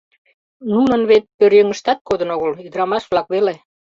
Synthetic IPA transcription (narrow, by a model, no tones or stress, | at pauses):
nunə̆nβet̪̚pøɾjøŋə̆ʃt̪ɑt̪̚kod̪ənoɣəlyd̪əɾɑmɑʃβlɑkβele